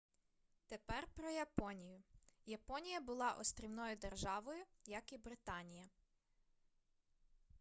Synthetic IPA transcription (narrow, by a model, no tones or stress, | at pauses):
t̪epɛrpɾɔjɐpɔnʲijʊjɐpɔnʲijɐbʊlˠɑʔɔst̪ʲɾʲiwnɔjʊd̪erʒɑʋɔjʊjɐkibɾɪt̪ɑnʲijɐ